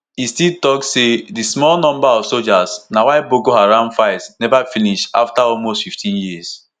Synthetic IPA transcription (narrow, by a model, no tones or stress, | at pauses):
istitɔktsedismɔlnɔ̃mbaɔfsold͡ʒasnawaɪboɡoaɾãʊ̃ndfaɪsnɛvafiniʃa̰ftaɔlmostfiftʰĩnjis